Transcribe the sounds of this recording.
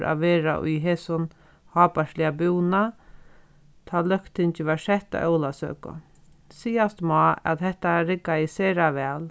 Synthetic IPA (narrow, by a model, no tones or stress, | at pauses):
ɾʔa̰ʋeːɾa̰ʔʊ̰jɦeːsʊn | hɑːpaʂlɪabuwna | t̪ʰaːlœkt̪ɪɲt͡ʃɪʋaʂɛht̪a̰ʔœwlasø̰ːkʊ̰ | siːast̪mɔːa̰t̪ɦɛht̪aɾɪkːaɪseːɾaʋɛːl